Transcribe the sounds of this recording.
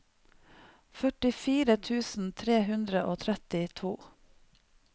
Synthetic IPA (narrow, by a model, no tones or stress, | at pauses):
fœʈɪfiːɾət̪ʰʉːsn̩t̪ʰɾeːhʉnd̪ɾəʔoːt̪ʰɾɛt̪ɪt̪ʰuː